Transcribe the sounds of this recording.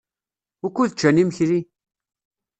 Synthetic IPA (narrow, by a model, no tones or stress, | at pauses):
ʊkːuðt͡ʃːæniməçɾi